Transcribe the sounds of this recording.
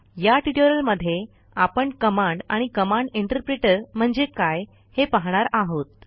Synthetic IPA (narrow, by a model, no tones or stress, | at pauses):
jaʈiʈoɾəlməd̪ʱːje | apəɳkəmaɳɖaɽ̃ikəmãɳɖiɳʈəɾpɾeʈəɾm̤əɳd͡zekaj | hepaɦɽ̃aɾaɦot̪̚